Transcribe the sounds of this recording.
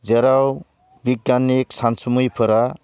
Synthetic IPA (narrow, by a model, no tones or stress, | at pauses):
d͡zeɾaw | biɡaneksansumujpʰɯɾa